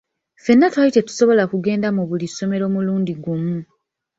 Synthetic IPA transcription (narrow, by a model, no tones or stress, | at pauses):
fe̞nːatwajite̞tu̥so̞βo̞lakuɡe̞ːndamuβuliso̞me̞ɾo̞ːmuluːndiɡumu